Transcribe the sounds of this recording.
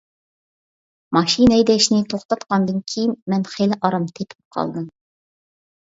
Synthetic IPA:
mɑʃinɛjd̪ɛʃnɪt̪ʰoχt̪ɑt̪qɑnd̪ɨnkʲʰejinmɛnχelɪʔɑɾɑmt̪ʰepʰɪp̚qʰɑ̰lˠd̪ɨm

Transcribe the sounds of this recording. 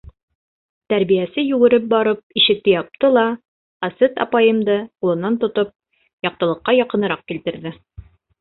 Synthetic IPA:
t̪æɾbijæsɘjʉɡɘ̆ɾɘp̚bɑɾɤp̚iʃɘ̆k̚t̪ɘjɑp̚t̪ɤlˠɑ | ɑsɘt̪ɑ̰pɑjɤ̆md̪ɤqulˠɤ̆nːɑnt̪ŏt̪ɤp̚ | jɑq̚t̪ɤ̆lˠɤ̆qːɑjɑqɤ̆nɤ̆ɾɑq̚kilt̪ɘ̆ɾðɘ

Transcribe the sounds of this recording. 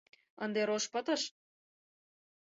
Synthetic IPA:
ənd̪eɾoʃpɤt̪ɤ̆ʃ

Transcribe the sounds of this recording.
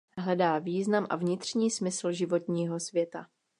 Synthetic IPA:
ɦlɛdaːviːznamʔa̰vɲɪt̪r̝̥ɲiːsmɪsl̩ʒɪvo̞t̪ɲiːɦo̞svjɛt̪a

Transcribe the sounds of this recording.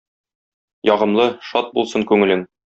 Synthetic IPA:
jɒʁɤ̆mlˠɤʃɒt̪̚bulˠsɤŋkʉŋɘ̆lɘŋ

